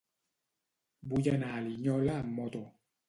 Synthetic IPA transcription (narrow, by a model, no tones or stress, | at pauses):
bujɛnaliɲɔlamɔtɔ